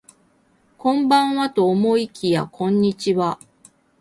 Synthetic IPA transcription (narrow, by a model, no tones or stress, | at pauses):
kõ̞mbãɰ̃βat̪o̞ːmo̞ikʲija̰kʰõ̞ɲ̟ːit͡ɕiβa